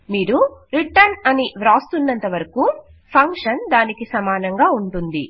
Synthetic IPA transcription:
miːɾuɾiʈɐnɐniʋɾaːst̪unːɐnt̪ɐʋɐɾɐku | pʰɐŋkʂɐnd̪aːnikisɐmaːnɐŋɡaːuɳʈund̪i

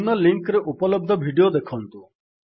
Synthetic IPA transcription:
nɔliŋkɾeʔupɔlɔb̚d̪ʱɔbʱiɖiod̪ekʰɔnt̪u

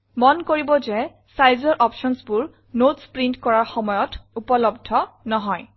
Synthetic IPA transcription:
mɔnkoɹibɔzɛ | sajzɔɹʔɔpʃɔnsbʊɹ | notspɹintkɔɹaɹxɔmɔjɔtupɔlɔbdʱɔnɔɦɔj

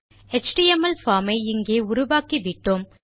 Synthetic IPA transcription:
ɛt͡ʃʈiɛmɐlfaːmɐɪɪŋɡeːʊɾʊʋaːkiʋɪʈːɯm

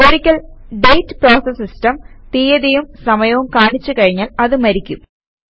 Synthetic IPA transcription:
oɽikʲːɐlɖejtːproːsɐsːistɐmt̪iːjɐðijumsɐmɐjɐʋumkaːɳit͡ɕːukɐɻiɲːaːlɐðɨmɐɾikʲːum

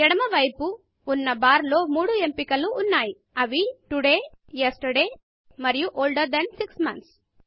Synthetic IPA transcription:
ɛɽɐmɐʋɐjpuː | nːɐbaːɾlo̞ːmuːɽue̞mpikɐluːnːaːji | ɐʋiʈuɽe̞ː | jesʈɐɾɖe̞ː | mɐɾijuʔoːlɖɐɾd̪ɐnsiksmɐnt̪s

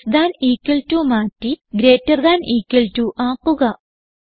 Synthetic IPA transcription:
sd̪aːniːkːɐltumaːtːiɡɾeːtːɐrd̪aːniːkːɐltuʔaːkːuɣɐ

